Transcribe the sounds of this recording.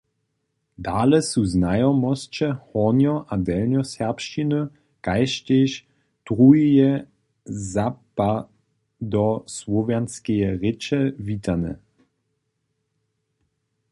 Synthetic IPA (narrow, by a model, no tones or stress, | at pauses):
d̪aːlɛsuznajɔmɔst͡ʃɛhɔnjɔʔad̪ɛlnjɔsɛʁpʃt͡ʃinø | kajʃt̪eʃ | t̪ʁuijɛ | zapa | d̪ɔslɔvjanskejɛʁɪt͡ʃɛvit̪anɛ̰